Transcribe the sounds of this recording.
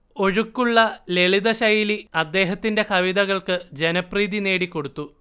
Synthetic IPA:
o̞ɻukːuɭːɐle̞ɭiðɐɕɐjiliɐd̪ːe̞ːɦɐt̪ːinde̞kʰɐʋiðɐɣɐɭkɨd͡ʑe̞nɐpriːðine̞ːɽikːo̞ɽut̪ːu

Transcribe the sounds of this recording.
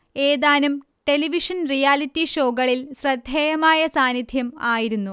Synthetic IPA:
eːðaːnum | ʈe̞liʋiʂɐnrijaːlitːiɕoːɡɐɭilɕrɐd̪ʱejɐmaːjɐsaːnid̪ʱjɐmaːjiɾunːu

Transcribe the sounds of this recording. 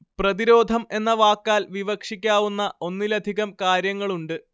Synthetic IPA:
prɐðiɾo̞ːd̪ʱɐme̞nːɐʋaːkːaːlʋiʋɐkʂikʲːaːʋunːɐʔo̞nːilɐd̪ʱiɣɐmkaːɾjɐŋːɐɭuɳɖɨ

